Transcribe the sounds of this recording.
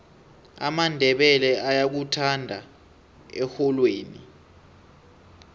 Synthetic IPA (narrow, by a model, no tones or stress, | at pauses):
a̰mandʱɛɓɛlɛajak̬utʰandʱa | ɛxɔlweːni